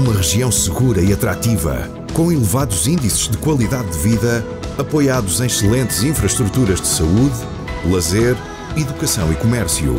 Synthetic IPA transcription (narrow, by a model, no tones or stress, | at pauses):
umɐʁɨʒiɐ̃w̃sɨɣuɾɐiɐt̪ɾat̪ivɐ̰ | kõw̃ilˠɨvaðuzĩnd̪isʒ̥ðɨkwɐlˠiðaðːɨviðɐ | ɐpojaðuzẽj̃ʃɨlˠẽnt̪zĩfɾɐʃt̪ɾut̪uɾɐʒd̪ɨsɐuð | lˠɐzeɾ | iðukɐsɐ̃w̃ikumɛɾsjṵ